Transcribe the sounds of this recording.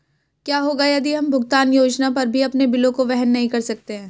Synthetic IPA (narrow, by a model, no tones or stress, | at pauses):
kjaːɦoːɡajɐd̪iɦɐmbʱʊɡt̪aːnjoːd͡ʒnapɐɾbʱiɐpnebɪlõkoʋɛɦənːɐɦĩkɐɾsɐk̚t̪eɦɛ̃ː